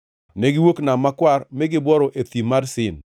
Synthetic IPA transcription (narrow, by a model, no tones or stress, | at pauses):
neɡɪwoknamːakwarmɛɡɪbwɔɾɔʔet̪imadsɪn